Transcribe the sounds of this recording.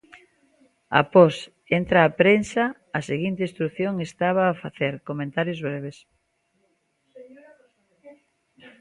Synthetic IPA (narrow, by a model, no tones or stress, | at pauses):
a̰pɔs | ent̪ɾaːpɾensɐː | seɣint̪eist̪ɾuθjoŋest̪aβ̞aːfaθeɾkomẽnt̪aɾjozβɾeβes